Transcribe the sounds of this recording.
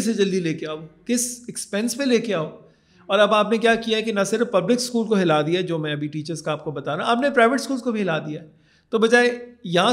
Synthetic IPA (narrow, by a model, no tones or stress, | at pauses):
sed͡ʒɐld̪ileːkeaːoːkɪsɛkspɛ̃nspẽleːkeaːoː | ɔːɾɐbaːpnekjaːkijaɦɛkinasɪɾfpɐblɪkskuːlkoɦɪlaːd̪ijaɦɛd͡ʒoːmɛ̃ɐbʱiʈiːt͡ʃəɾzkaaːp̚kobɐt̪aːnãaːpnepɾaːɪʋəʈskuːlzkobʱiɦɪlaːd̪ijaɦɛ | t̪obɐd͡ʒaːejɐɦã